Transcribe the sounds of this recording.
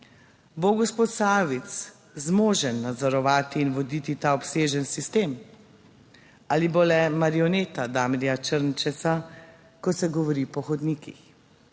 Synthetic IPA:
boɡɔspot̪saːʋit̪s | zmoːʒənːad̪zɔɾɔʋaːt̪iːnʋɔd̪it̪it̪aːɔpseːʒənsist̪eːm | alibolɛmaɾiɔneːt̪ad̪aːmɾjat͡ʃəɾnt͡ʃɛsa | kɔsɛɡɔʋɔɾipɔxɔd̪niːkḭx

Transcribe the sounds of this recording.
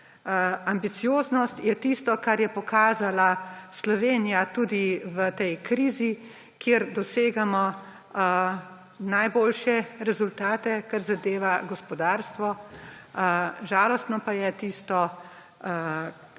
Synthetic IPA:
ambit̪sijoːznɔst̪jɛt̪ist̪ɔkaɾjɛpɔkaːzalaslɔʋeːnijat̪uːd̪iʋət̪ɛjkɾiːzi | kjeɾd̪ɔseːɡamɔ | najboːlʃɛɾɛzult̪aːt̪ɛkaɾzad̪eːʋaɡɔspɔd̪aːɾst̪ʋɔ | ʒaːlɔst̪nɔpajɛt̪ist̪ɔ

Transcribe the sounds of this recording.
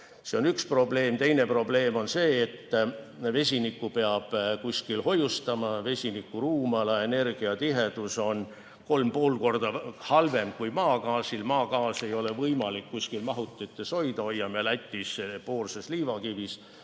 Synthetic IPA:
se̞onykspro̞ble̞ːmt̪e̞jne̞pro̞ble̞ːmo̞nse̞ːt̪ː | ve̞s̬ʲinikːˑupeɑb̥kuskilho̞just̪ɑmɑve̞sʲinikːˑuruːmɑlɑe̞ne̞rɡ̥iɑt̪iɦe̞d̪̥uso̞n | ko̞lmpo̞ːlko̞rd̪̥ɑhɑlve̞mkujmɑːkɑːsilmɑːkɑːse̞jo̞le̞vɤjmɑlikːuskilmɑɦut̪ːˑet̪ːˑeso̞jd̪̥ɑojːɑmelæt̪ʲːˑispo̞ːrsesliːvɑkivis

